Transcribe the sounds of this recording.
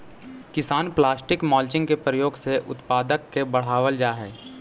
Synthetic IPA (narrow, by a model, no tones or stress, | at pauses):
kɪsaːnplaːsʈɪkmɔːlt͡ʃɪ̃ŋɡkepɾəjoːɡseʔʊ̰t̪paːd̪əkːebɐɽ̤aːʋəld͡ʒaːɦɛː